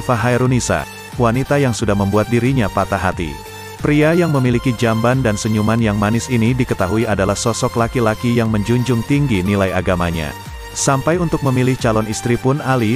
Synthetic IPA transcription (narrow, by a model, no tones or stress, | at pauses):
faɦaiɾunisa̰ | wanit̪ajaŋsudahməmbuat̪̚diɾiɲapat̪aɦat̪ḭ | pɾiajaŋməmilikid͡ʒambandansəɲumanjaŋmanɪsinidikət̪aɦuiadalahsɔsɔklakilakijaŋməɲd͡ʒuɲd͡ʒʊŋt̪iŋɡinilajaɡamaɲa̰ | sampajunt̪ʊk̚məmilɪht͡ʃalɔnist̪ɾipʊnali